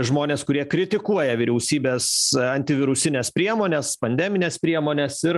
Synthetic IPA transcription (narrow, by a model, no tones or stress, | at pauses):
ʒmoːnʲeːskʊɾʲiɛkɾʲɪt̪ʲɪkuɔjɛʋʲiːɾʲɛʊsʲiːbʲeːsɐnʲt̪ʲɪʋʲɪɾʊsʲɪnʲɛspʲɾʲiɛmoːnʲeːspɐnʲd̪ʲɛmʲɪnʲeːspʲɾʲiɛmoːnʲesɪɾ